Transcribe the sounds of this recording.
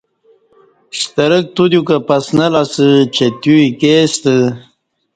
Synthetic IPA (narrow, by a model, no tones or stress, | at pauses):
ɕt̪əɾək̚t̪ud̪jukapɐsnəlasɨt͡ɕet̪juikeːst̪ə